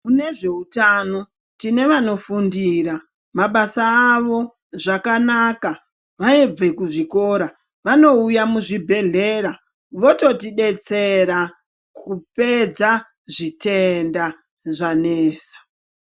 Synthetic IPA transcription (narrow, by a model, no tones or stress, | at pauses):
kune̞ʐe̞utano̞ | tine̞ʋano̞fundiːɾa | maɓasaːʋo̞ | ʐakanaka | ʋaeb͡ve̞kuʐiko̞ɾa | ʋano̞ujamuʐibʱe̞ɮe̞ːɾa | ʋo̞to̞tiɗe̞t͡se̞ɾa | kʰupe̞d͡za | ʐitenda | ʐaneːsḁ